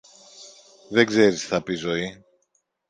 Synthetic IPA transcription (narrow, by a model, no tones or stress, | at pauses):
ðeɡze̞ɾisθɐpizo̞i